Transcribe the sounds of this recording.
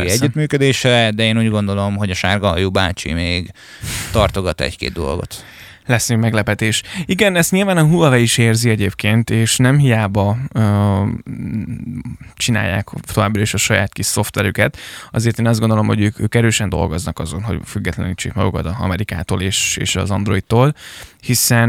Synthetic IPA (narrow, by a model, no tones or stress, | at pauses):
iɛɟːyt̪myːkød̪eːʃɛd̪ɛeːnuːɟɡo̞nd̪o̞lo̞mɦo̞ɟɒʃarɡɒɒjubaːt͡ʃḭmeːɡ | t̪ɒrt̪oɡɒt̪ːɛ̰ckḛːd̪̚d̪o̞̰lɡo̞̰t̪ | lɛsnymɛɡlɛpɛt̪eːʃiɡɛnɛst̪ɲilvaːnɒɦulɒvɛiʃeːrziɛɟeːpkeːnt̪eːʃnɛmɦijaːbɒ | t͡ʃina̰ːjːa̰ːkt̪o̞vaːbrɒeʃɒʃɒjaːt̪kiʃso̞ft̪ʋɛɾykɛt̪ɒ̰zeːrt̪eːnɒzdɡo̞nd̪o̞lo̞mho̞ɟøːkøːkɛɾøːʃɛnd̪o̞̰lɡo̞znɒkɒzo̞̰nɦo̞̰ɟfyɡːɛt̪lɛnit͡ʃːeːkmɒ̰ɡukɒt̪ɒɒ̰mɛɾika̰ːt̪o̰ːleːʃḛːʃɒ̰zɒnd̪ɾo̞it̪t̪ːoːlhisɛn